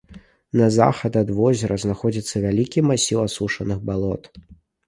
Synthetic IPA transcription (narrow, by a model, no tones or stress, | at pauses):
nɐza̰xɐd̪ɐd̪vɔzʲɛɾɐznaxɔd͡zʲit̪sːɐvʲalʲikʲimasʲiwasuʂɐnɨɣbalˠɔt̪